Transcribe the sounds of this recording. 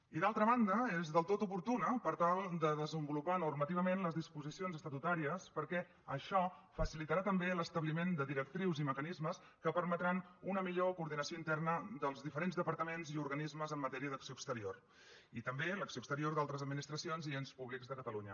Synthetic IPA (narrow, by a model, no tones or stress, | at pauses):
iðalˠt̪ɾəβand̪əezðəlˠt̪ot̪upuɾt̪unəpəɾt̪alˠd̪əðəzəmbulupanurmət̪iβəmenləzðispuzisionzəst̪ət̪ut̪aɾiəspəɾkɛ | əʃɔfəsilit̪əɾat̪əmbeləst̪əβlimend̪əðiɾək̚t̪ɾiwziməkənizməs | kəpəɾmət̪ɾanunəmiʎokuɾðinəsioint̪ɛrnəd̪əlˠzðifəɾenzðəpəɾt̪əmenziuɾɣənizməzəmːət̪ɛɾiəðəksioəkst̪əɾior | it̪əmbeləksioəkst̪əɾioɾd̪alˠt̪ɾəzəd̪minist̪ɾəsionzienspuβlikzðəkət̪əluɲə̰